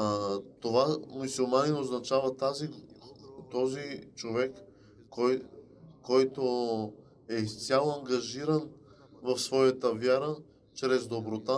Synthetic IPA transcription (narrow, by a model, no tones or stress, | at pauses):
t̪ovamusulˠmanɛnoznɐt͡ʃavət̪azi | t̪ɔzit͡ʃovɛkː | ɔjː | ɔjt̪o | ɛist̪sʲjalˠoɐŋɡɐʒiɾən | vɐfsvɔjət̪əvjaɾə | t͡ʃɾɛzd̪obɾot̪a